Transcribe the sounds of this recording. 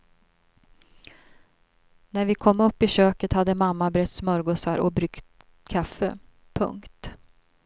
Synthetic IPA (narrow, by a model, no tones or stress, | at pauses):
næɾvɪkʰɔmːɵpːɪɕøːkət̪had̪ːəmamːabɾɛt̪ːsmœɾɡʊsaɾʔɔbɾʏkt̪ | kʰafːə̰ | pʰɵ̰ŋkt̪